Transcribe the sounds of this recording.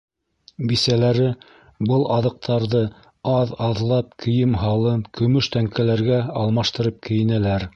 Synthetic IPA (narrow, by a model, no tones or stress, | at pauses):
bisælæɾɘ | bɤlˠɑðɤ̆q̚t̪ʰɑɾðɤ | ɑðɑðlˠɑp̚kʰɘ̆jɘmɦɑlˠɤnkɵ̆mɵʃt̪æŋkælæɾɡæɑlˠmɑʃt̪ɤ̆ɾɤp̚kɘ̆jɘ̆nælæɾ